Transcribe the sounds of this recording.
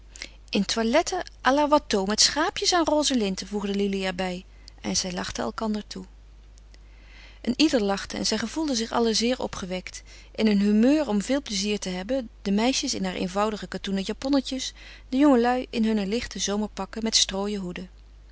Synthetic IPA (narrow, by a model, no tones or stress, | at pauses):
ʔɪntʋalɛtəʔalaʋɑtowmɛtsχaːpjəsaːnroːzəlɪntəvuχdəliliɛɹbɛj | ɛ̰nz̥ɛjlɑχtəɛlˠkɑndəɹtʰu | ʔənidəɹlɑχtəɛ̰nzɛjχəvulˠdəzɪχɑ̰ləzɪːɹɔ̰pχəʋɛkt | ʔɪnənɦymøːɹɔmvɪːlˠpləziːɹtəɦɛbəd̥əmɛjʃəsɪnɦaːɹʔḛjnvɑwdəχəkatunəjapɔnəcəs | dəjɔŋəlœɥɪnɦɵnəlɪχtəzowməɹpɑkəmɛtstroːjəɦudə